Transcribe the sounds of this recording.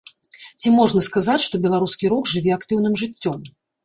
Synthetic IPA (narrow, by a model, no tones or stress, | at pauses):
t͡sʲimɔʐnɐskazat͡sʲʂt̪ɔbʲɛlˠaɾuskʲiɾɔɡʐɨvʲɛakt̪ɨwnɨmʐɨt͡sʲːɔm